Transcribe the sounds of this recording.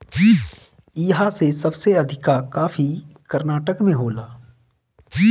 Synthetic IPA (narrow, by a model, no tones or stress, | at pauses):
iːɦasesɐbseɐd̪ʱɪkakaːfikɐɾnaːʈəkmẽɦoːlaː